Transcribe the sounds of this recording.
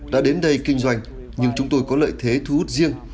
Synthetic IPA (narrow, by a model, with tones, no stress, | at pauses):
ɗa̰ː˧˥ɗe˨˦nɗə˧jkï˧ŋ̟zwa˧jŋ̟ | ɲɨ˧ŋt͡ɕʊ˨˦ŋ͡mt̪o˧jkɔ˨˦lə̰ː˧˨jt̪ʰe˨˦t̪ʰu˨˦ʔu˦˥t̚zi˧əŋ